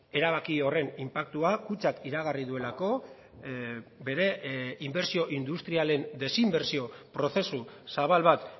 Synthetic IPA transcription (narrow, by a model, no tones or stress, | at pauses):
e̞ɾaβ̞akio̞re̞nimpak̚t̪uakut͡sakiɾaɣ̞ariðue̞lako̞ | be̞ɾe̞imbe̞ɾsio̞ʔind̪ust̪ɾiale̞nd̪e̞simbe̞ɾsio̞pɾo̞θe̞susaβ̞alβat̪